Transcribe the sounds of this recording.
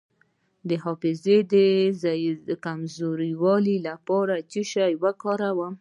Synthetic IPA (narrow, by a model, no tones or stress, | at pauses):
d̪əɦɑfɪzed̪əzkamzoɾiwɑlilapɑɾat͡ʃiʃajwakɑɾawam